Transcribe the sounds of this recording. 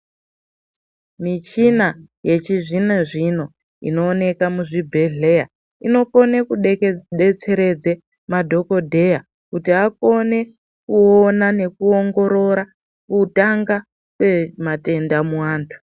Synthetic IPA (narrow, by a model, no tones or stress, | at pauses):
mit͡ʃina | je̞t͡ʃiʐineʐino̞ | ḭno̞ːne̞kamuʐibʱe̞ɮe̞ja | ino̞ko̞ne̞kuɗɗet͡se̞ɾe̞d͡ze | madʱo̞ko̞dʱe̞ja | kutiako̞ne̞ | kuonane̞kuoŋɡo̞ɾo̞ɾa | kutaŋɡa | kwe̞mate̞ndamuwaːntʰu̥